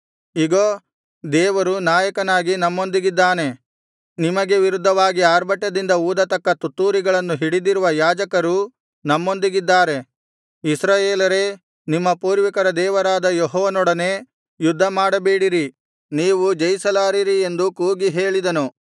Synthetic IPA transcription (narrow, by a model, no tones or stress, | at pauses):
iɡoː | d̪ɛːʋɐɾunaːjɐkɐnaːɡinɐmːo̞nd̪iɡid̪ːaːne̞ | nimɐɡe̞ʋiɾud̪ʱːɐʋaːɡiaːɾbɐʈːɐd̪ind̪ɐuːd̪ɐt̪ɐkːɐt̪ut̪ːuːɾiɡɐɭɐnːuɦiɽid̪iɾuʋɐjaːd͡ʒɐkɐɾu | nɐmːo̞nd̪iɡid̪ːaːɾe̞ | isɾaːjeːlɐɾe | nimːɐpuːɾʋikɐɾɐd̪ɛːʋɐɾaːd̪ɐjoɦɔːʋɐnɔɽɐne̞ː | jud̪ʱːɐmaːɽɐbeːɽiɾi | niːʋud͡ʒɐjsɐlaːɾiɾie̞nd̪ukuːɡiɦeːɭid̪ɐnu